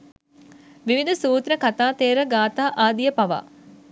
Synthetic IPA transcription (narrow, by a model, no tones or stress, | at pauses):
ʋiʋid̪ʱusuːt̪ɾəkat̪aːt̪eːɾəɡaːt̪aːʔaːd̪ijəpaʋa̰ː